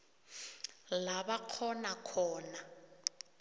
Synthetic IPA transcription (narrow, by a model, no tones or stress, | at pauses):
laβaq͡χʰɔnakʰɔːna